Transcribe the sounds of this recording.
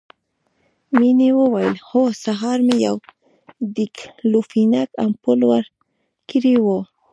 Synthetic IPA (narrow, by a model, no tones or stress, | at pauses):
minewəwajəlxosaɦɑɾmejaw | d̪iklufinaka̰mpʊlwaɾ | kiɾiwo